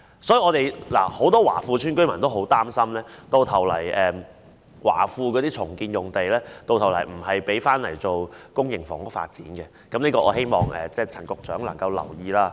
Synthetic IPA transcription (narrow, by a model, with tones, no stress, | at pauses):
sɔː˨˥jiː˨˧ɔː˨˧t̪e˨jla̰ː˨˩ho˨˥wt̪ɔː˥wa̰ː˨˩fuː˧t͡ʃʰyː˥nkɵ˥ɥmɐ˨˩nt̪o˥wɦo˨˥wt̪aː˥msɐ˥mlɛː˥t̪o˧wt̪ʰɐ˨˩wlɐ̰˨˩jʔɛː˨˩ | wa̰ː˨˩fuː˧k̬ɔː˨˥t̪iː˥t͡ʃʰʊ˨˩ŋkiː˧njʊ˨ŋt̪e˨jlɛː˥t̪o˧wt̪ʰwlɐ˨˩jm̩˨˩hɐ˨jpe˨˥jfaː˥nlɐ̰˨˩jt͡so˨wkʊ˥ŋjɪ˨˩ŋfɔ̰ː˨˩ŋkʊ˥k̚fa̰ː˧t̚t͡sḭː˨˥nɡɛ˧ | kɐ˨˧˥mniː˥kɔː˧ʔɔː˨˧ɦe˥jmɔ̰ː˨ŋɛ̰ː˨t͡sɛː˥˩t͡sʰɐ˨˩nkʊ˨k̚t͡ʃœː˨˥ŋlɐ˨˩ŋkɐ˧wlɐ̰˨˩wjiː˧laː˥